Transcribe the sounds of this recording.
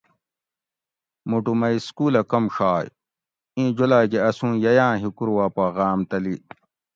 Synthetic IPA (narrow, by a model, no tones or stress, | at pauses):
muʈumɐiskuːlɐkɐmʂaːj | ĩːd͡ʑolaːɡeɐsũːjɐjãːɦikuɾuwaːpaːɣaːmt̪ɐli